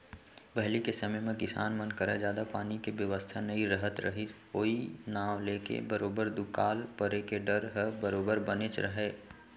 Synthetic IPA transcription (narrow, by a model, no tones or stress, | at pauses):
bɛɦlikesəməjmẽkɪsa̰ːnmənkəɾḛd͡ʒjaːd̪apaːnikebjəʋəst̪ʰanɐĩɾəɦət̪ɾə̰ɦɪt̪ | oːinaːʋleːkḛbəɾoːbəɾd̪ʊkaːlpəɾekeɖəɾɦəbəɾoːbəɾbənet͡ʃɾəɦeː